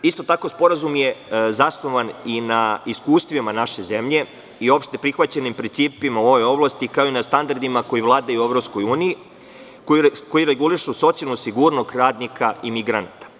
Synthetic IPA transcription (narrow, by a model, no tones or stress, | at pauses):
ist̪o̞t̪ako̞spo̞ɾazumje̞zasno̞ʋaninaiskuːst̪ʋimanaʃe̞ze̞mʎe̞ | io̞pʃt̪e̞pɾixʋat͡ɕe̞nimpɾintsiːpimao̞ʋo̞jo̞blˠast̪ikao̞inast̪and̪aɾd̪imako̞jiʋlˠaːd̪ajueʋɾopsko̞juːniji | koko̞iɾeɡuliʃuso̞t̪sialnusiɡuːɾnost̪ɾaːd̪nikʰaimiɡɾanat̪ḁ